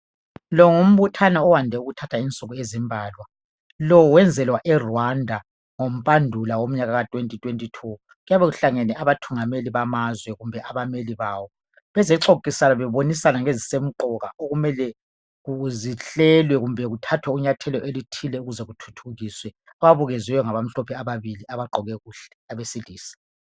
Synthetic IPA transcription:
lɔŋum̩βutʰanaɔwandʱɛuɣutʰatʰaint͡sʼɔɣɔezimbʱaːlwa | lɔwɛnd͡zʱɛlwaʔɛrandʱa | ŋom̩pʼandʱulawom̩ɲaɣaɣatʼwentʼitʼwentʼitʰu | ɣujaβɛɣuɬaŋɛnɛʔaβatʰuŋameliβamazwɛɣumbʱɛʔaβameliβaːwɔ | βɛzɛǀokʼisalaβɛβonisanaŋezisem̩ǃɔɣaʔoɣumɛlɛ | ɣuziɬɛlwɛɣumbʱɛɣutʰatʰwɛuɲatʰɛlɔʔelitʰilɛuɣuzɛɣutʰu̥tʰuɣiswɛ | awaβuɣɛzwɛjɔŋaβam̩ɬɔpʰɛaβaβiliʔaβaǃʱɔɣɛɣuːɬɛ̥aβesiliːsi̥

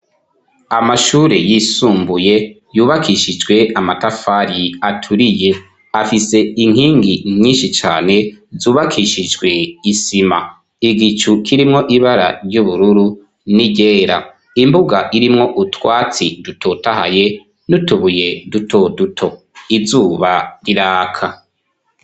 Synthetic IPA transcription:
amaʃuːɾejisuːmbuje̞ | juːβakʰiʃid͡ʒɡwe̞amatafaɾiatʰuɾije̞ | afise̞iŋ̥hiːŋɡimɲiːnʃit͡ʃaːne̞zuːβakʰiʃid͡ʒɡwe̞isima̰ | iɡit͡ʃukʰiɾimŋo̞ʔiβaɾa̰ɾɟuβuɾuɾu | niɟeːɾa̰ | imbuɡaʔiɾimŋo̞ʔutwaːt͡sidutʰotaha̰je̞ | nutuβuje̞dutʰodutʰo̞ | izuːβaɾiɾaːkʰa

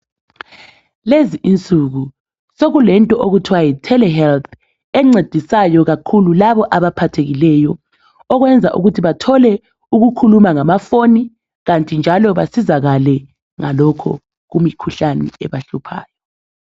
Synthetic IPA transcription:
leziʔint͡sʼuɣu | soɣulɛntʼɔʔoɣutʰwajitʰɛlɛhɛlt̪ʰ | ɛŋ͡ǀed̥ʱisajɔɣakʰululaβɔʔaβapʰatʰeɣilɛjɔ | ɔɣwɛnd͡zʱaʔṵɣutʰiβatʰɔlɛ | uɣukʰulumaŋamafoni | ɣantʼind͡ʒʱalɔβasizaɣalɛ | ŋalɔkʰɔ̰ | ɣumikʰuɬanɛ̰ɛβaɬupʰa̰ːjɔ

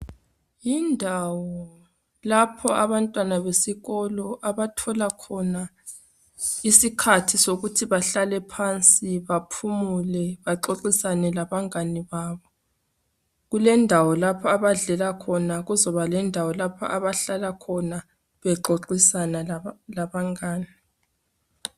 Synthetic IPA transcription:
jindʱawɔ | lapʰɔaβantʼwanaβesiɣɔlɔʔaβatʰɔlakʰɔna | isikʰatʰisoɣutʰiβaɬalɛpʰant͡sʼiβapʰumulɛβaǃoǃisanɛlaβaŋaniβaːβɔ | ɣulɛndʱawɔlapʰɔaβaɮɛlakʰɔnaɣuzɔβalɛndʱawɔlapʰa̰ʔaβaɬalakʰɔna | βɛǃoǃisanalaβaŋaːni

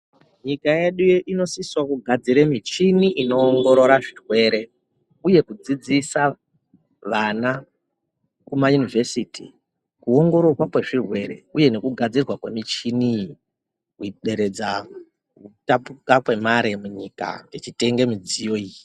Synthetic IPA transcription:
ɲikajeɗujʔino̞siswakuɡʱad͡ziɾemit͡ʃiniʔino̞ːŋɡo̞ɾo̞ɾaʐirwe̞ɾe̞ | uje̞kud͡zid͡zisa | ʋana | kumajunive̞siti | kuo̞ŋɡo̞ɾo̞rwakwe̞ʐirwe̞ɾe̞uje̞ne̞kuɡʱad͡zirwakwe̞mit͡ʃini | iɗe̞ɾe̞d͡za | utapukapwe̞maɾe̞muɲika̰et͡ʃite̞ŋɡe̞mid͡zijoiji

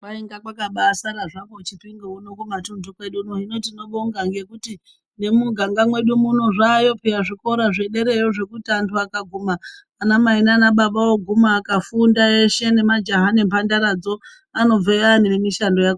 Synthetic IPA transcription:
kwaeŋɡakwakaɓasaɾaʐamot͡ʃitwiŋɡounokumatundukweɗunoɦino̞tino̞ɓoŋɡaŋɡe̞kuti | ne̞muɡʱaŋɡamwe̞ɗumuno̞ʐaːjo̞piraʐiko̞ɾaʐe̞ɗe̞ɾe̞joʐe̞kutantwakaɡʱumaː | namainanaɓaɓawoɡʱumaːkafundae̞ʃe̞ne̞mad͡ʒaɦane̞mpandaɾad͡zo̞ | ano̞vejaninemiʃando̞jak

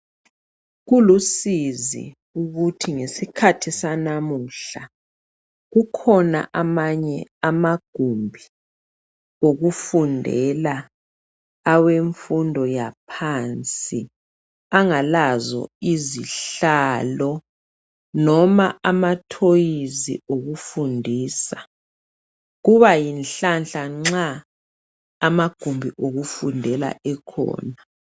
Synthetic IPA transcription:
ɣulusizḭ | uɣutʰiŋesikʰatʰisanamuɬa | ɣukʰɔna̰ʔamaɲɛamaɡ̥ʱumbʱi | oɣufundʱɛlaː | weɱfundʱɔjapʰant͡sʼi | aŋalazɔ̰iziɬaːlɔ | nɔma̰amatʰojizḭoɣufundʱiːsa | ɣuβajinɬanɬaŋ͡ǁa | maɡ̥ʱumbʱiʔoɣufundʱɛla̰ʔɛkʰɔ̰ːna

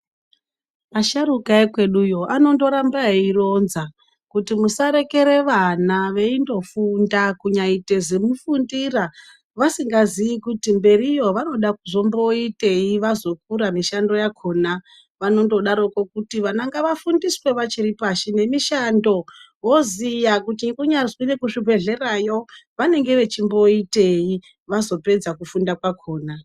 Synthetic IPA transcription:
maʃaɾukaekwe̞ɗujo̞ʔano̞ndo̞ɾambaeiro̞nza | kutimusaɾe̞ke̞ɾe̞ʋanaʋe̞indo̞fundakuɲaite̞zemufundira | ʋasiŋɡaziikutimbe̞rijo̞ʋano̞ɗakuʐo̞mbo̞ite̞iʋazo̞k̚uɾamiʃando̞jakʰo̞na | ʋano̞ndo̞ɗaɾo̞ko̞kutiʋanaŋɡaʋafundiswe̞ʋat͡ʃiripaʃine̞miʃando̞ | wo̞zijakutikuɲariswine̞kuʂibʱe̞ɮe̞rajo̞ʋane̞ŋɡe̞ʋe̞t͡ʃimbo̞ite̞ji | ʋazo̞pe̞d͡zakufundakwakʰo̞ːna

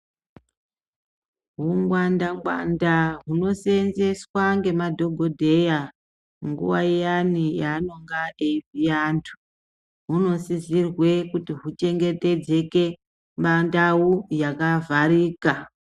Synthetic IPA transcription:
ɦuŋɡwandamwa̰ndaɦuno̞se̞nze̞swaŋɡe̞madʱo̞ɡʱo̞dʱe̞ja | ŋɡṵwajijanijaːno̞ŋɡaevijantʰu̥ | ɦuno̞sizirwe̞kutiɦut͡ʃe̞ŋɡe̞te̞d͡ze̞ke̞ | mandawujakavʱaɾiːka

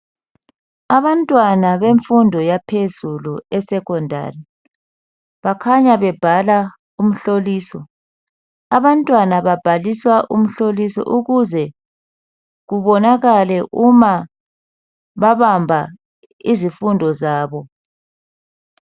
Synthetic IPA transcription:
aβantʼwanaβeɱfundʱɔjapʰezuluɛsɛɣɔndʱa̰ri | βakʰaɲaβɛb̥ʱala | um̩ɬoliːsɔ | aβantʼwanaβab̥ʱaliswaʔum̩ɬolisɔ̰ʔuɣuzɛ | ɣuβɔnaɣalɛʔuma | βaβambʱa | izifundʱɔzaːβɔ

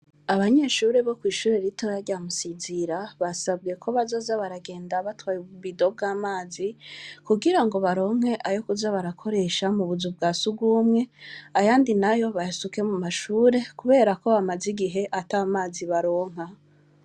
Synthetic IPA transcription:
aβaɲe̞ʃuːɾeβo̞kwiːʃuːɾeɾito̞jaɾɟamusiziɾaβasab̚ɡe̞kʰo̞βazo̞ːzaβaɾaɡe̞ːndaβatwaːjuβuβido̞b̚ɡaːmaːzikuɡiɾaŋɡo̞βaɾo̞ːŋ̥e̞ʔajo̞kuzaβaɾakʰo̞ɾe̞ʃamuβuzubɡaːsuɡuːmŋe̞ajaːndinajo̞βajasuke̞mumaʃuːɾe̞kuβe̞ːɾako̞βamaziɡiɦe̞ʔataamaːziβaɾo̞ːŋ̥a

